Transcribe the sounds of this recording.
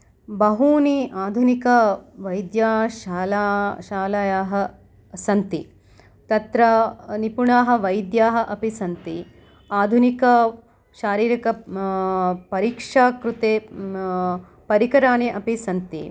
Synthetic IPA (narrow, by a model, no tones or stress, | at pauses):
bɐɦuːniʔaːd̪ʱunikɐʋɐjd̪jaːaːlaʃaːlɐjaːɦɐ | sɐnt̪i | t̪ɐt̪ɾɐnipuɳaːɦɐ̆ʋɐjd̪jaːɦɐ̆ʔɐpisɐnt̪i | aːd̪ʱunikɐ | ʃaːɾiːɾɐkɐ | pɐɾiːkʂaːkɾut̪eː | pɐɾikɐɾaːneʔɐpisɐnt̪ḭ